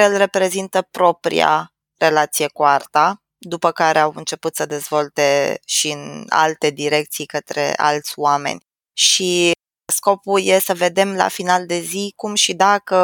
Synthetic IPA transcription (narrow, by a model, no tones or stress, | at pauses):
ɾeɨlre̞pɾe̞zint̪əpɾo̞pɾḭa̰ | re̞lat̪sijekuart̪a | d̪upəkaɾe̞awɨnt͡ʃe̞put̪səd̪e̞zvo̞lt̪e̞ʃiɨna̰lt̪e̞d̪iɾe̞k̚t̪sijkət̪ɾe̞̰ʔa̰lt̪sʲoame̞̰nʲ | ʃi | sko̞puje̞səve̞d̪e̞mla̰finald̪e̞zikumʃid̪akə